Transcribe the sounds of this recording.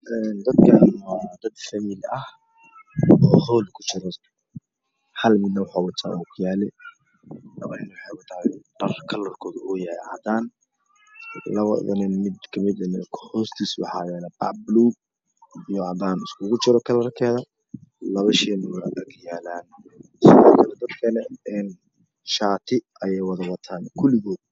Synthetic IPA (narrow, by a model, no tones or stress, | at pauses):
ʔɛnd̪ɐd̪kʰɐnɔd̪ɐd̪fɐmiːlɐh | ɔːhɔːlkʰʊ̥t͡ʃɪɾɔs | hɐlmɪd̪nɐwɑħɑːwɑt̪ʰa̰ʔɔːkʰʊjaːlɛ | lɐ̰βɐɪnwɑħɑjwɐt̪ʰaːɖ̥ɐrkʰɐlɐrkʰɔːðʊɔjɐɛ̰ʕɑ̰d̪aːn | lɐβɐðɐnɪnmɪd̪kʰɐmɪd̪ɐnɛ̰kʰħɔːst̪ʰiːswɑ̰ħɑ̰ːjɛːnɐba̰ʕbluː | ijɔʕɑd̪aːnɪskʰʊɣʊt͡ʃɪɾɔkʰɐlɐrkʰɛːðɐ | lɐβɐʃɛːnʊwnadɐkʰjaːlaːn | sɪðɔ̰ːkʰɐlɛd̪ɐd̪kʰɐnɛɛn | ʃaːt̪ʰɪʔɐjɛjwɑðɐwɐt̪ʰaːnkʰʊlɪɣɔːd̪̚